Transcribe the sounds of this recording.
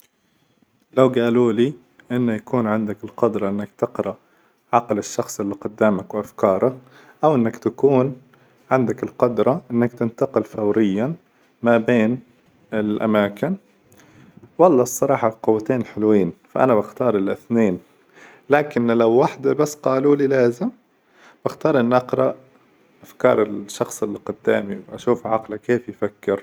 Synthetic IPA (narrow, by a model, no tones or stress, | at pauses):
lawɡaːluːliː | ʔɪnːajakuːnʕɪnd̪akɪlqʊd̪ɾˤɑʔɪnːakt̪ɪqɾˤɑ | ʕɑqlɪʃːɑxsˤʔɪlːiqʊd̪ːaːmakwɪʔafkɑːɾˤɑ | ʔawʔɪnːakt̪akuːn | ʕɪnd̪akɪlqʊd̪ɾˤɑʔɪnːakt̪ɪnt̪aqɪlfawɾɪjːa | mabeːn | ɪlʔa̰maːkɪn | wɑlˤːɑːsˤːɑɾˤɑːħɑqʊwːat̪eːnħɪlwiːnfaʔanabaxt̪ɑːɾˤɪlʔɪθneːn | laːkɪnlawːaħd̪abasːqɑːluliːlaːzɪm | b̥axt̪ɑːɾˤʔɪnːʔɑqɾˤɑʔ | ʔafkɑ̰ːɾˤɪlʃːɑxsˤɪlqʊd̪ːaːmiwʔaʃuːfʕɑqlakeːfjfakːɪɾ